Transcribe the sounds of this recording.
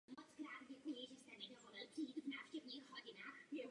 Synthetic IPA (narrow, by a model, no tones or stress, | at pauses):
mɔt̪t͡skɾaːt̪vʲjɛkujɪʒɛst̪ɛnɛɡɔvɔlɪlpr̥iiːt̪vnaːfʃcɛvɲixɦɔɟɪnajɛ